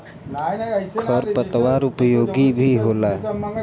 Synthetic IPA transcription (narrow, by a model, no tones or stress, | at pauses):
kʰəɾpət̪ʋaːɾʊpjoːɡibʱiɦoːlaːɦɛ